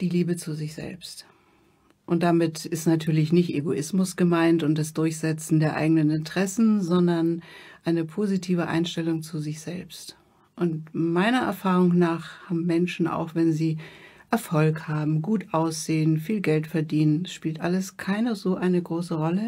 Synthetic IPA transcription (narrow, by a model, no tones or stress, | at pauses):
d̥iːliːbət͡suzɪçz̥ɛ̰lpst | ʔʊnt̚d̥amɪtɪstnatʰyːɐlɪçnɪçtʔeɡoʔɪsmʊsɡ̥əmaɪntʊnt̚d̥asd̥ʊɐçz̥ɛt͡sn̩deːɐʔa̰ɪɡənənɪntʁ̥ɛsn̩zɔndɐnʔaɪnəpʰoːzitʰiːvəʔa̰ɪnʃtɛlʊŋt͡suzɪçz̥ɛlpst | ʔʊntmaɪnɐʔɛ̰ɐfaːʁ̞ʊŋnaːχhaːbm̩mɛnʃn̩ʔa̰ʊxv̥ɛnziːʔɛɐfɔlkhaːbm̩ɡuːtʔaʊsz̥eːənfiːlɡɛltfɛɐdiːnənɛsʃpiːltʔaləskʰaɪnəzoːʔaɪnəɡʁoːsəʁɔlə